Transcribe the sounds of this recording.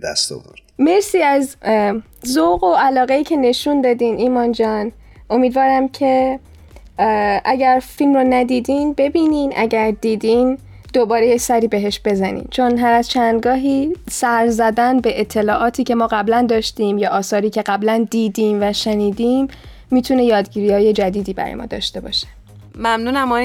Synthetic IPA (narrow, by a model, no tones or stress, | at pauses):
d̪æ̰st̪o̰vo̰ɾme̞ɾsiːæz | zoɣoʔælɒːɣeiːcʰe̞ne̞ʃund̪ɒːd̪iːnʔiːmɒnd͡ʒɒːn | ʔo̞miːd̪vɒːɾæmcʰe̞ | ʔæɟæɾfilmɾonæd̪iːd̪inbe̞biːniːnʔæ̰ɟæɾd̪iːd̪iːn | d̪̥o̞bɒːɾe̞jecsæɾiːbe̞ɦe̞ʃb̥e̞zænḭːmt͡ʃʰo̞nɦæɾæz̥t͡ʃʰænd̪ɡɒːɦiːsæɾzæd̪ænbe̞ʔet̪ʰːe̞lɒːʔɒːt̪ʰiːcʰe̞mɒːɣæblænd̪ɒːʃt̪iːmjɒːʔɒːsɒːɾiːcʰe̞ɢæblænd̪iːd̪iːmvæʃeniːd̪iːmː | iːt̪ʰune̞jɒːd̪ɟiːɾiːɒːje̞d͡ʒæd̪iːd̪iːbæ̰ɾɒ̰j̰ɒ̰ːd̪ɒ̰ːʃt̪e̞bɒ̰ːʃe̥ | mæmnunæmɒ